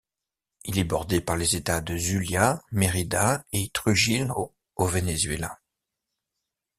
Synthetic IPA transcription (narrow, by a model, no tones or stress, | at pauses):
ilɛbɔʁd̪epaʁlezet̪ad̪əzyljameʁid̪aet̪χyʒilo | ovenezɥela